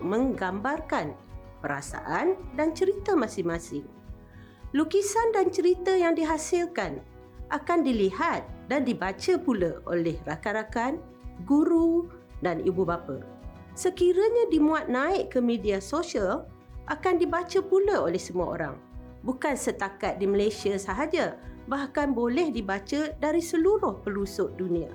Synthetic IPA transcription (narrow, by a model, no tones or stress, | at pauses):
ʔmə̃ŋɡambarkan | pəɾa̰sa̰ʔandant͡ʃəɾit̪əmãsɪŋmasɪŋ | lukisandant͡ʃəɾit̪əjaŋdiɦasɪlkan | ʔakandilihat̪̚dandibat͡ʃəpuləo̰lɛhrakaɾakan | ɡuɾu | danibubapə̰ | səkiɾəɲãdimuat̪̚naɪʔkəmidiasosial | ʔakandibat͡ʃəpuləolɛhsəmua̰o̰ɾa̰ŋ | bukansət̪akat̪̚diməlesiasaɦad͡ʒabahkanbolɛhdibat͡ʃədaɾisəluɾʊhpəlusʊʔdunia̰